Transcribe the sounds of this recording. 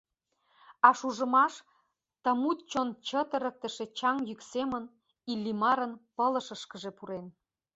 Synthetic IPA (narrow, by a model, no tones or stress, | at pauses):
ɑʃuʒə̆mɑʃ | t̪ə̆mut̪̚t͡ɕont͡ɕət̪əɾə̆k̚t̪ə̆ʃĕt͡ɕɑŋjyksemən | ilʲːimɑɾənpələ̆ʃəʃkə̆ʒepuɾen